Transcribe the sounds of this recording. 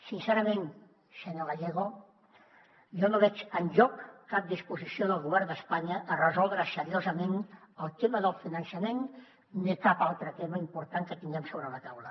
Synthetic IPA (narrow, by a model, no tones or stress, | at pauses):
sinseɾəmen | səɲoɣaʎeɣ̞o | ʒɔnoβɛt͡ʃənʎɔkːap̚d̪ispuzisioðəlˠɣuβ̞ɛɾnd̪əspaɲəʔːrəzɔlˠd̪ɾəsəɾiozəmenəlˠt̪eməðəlˠfinənsəmenː | ikapalˠt̪ɾət̪eməimpuɾt̪aŋkət̪iŋɡɛmsoβɾələt̪awlə̰